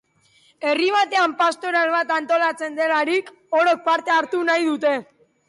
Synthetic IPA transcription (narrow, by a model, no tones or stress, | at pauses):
e̞riβ̞at̪e̞ampast̪o̞ɾalβat̪ant̪o̞lat͡se̞nd̪e̞laɾik | o̞ɾok̚paɾt̪e̞aɾt̪unajðut̪e̞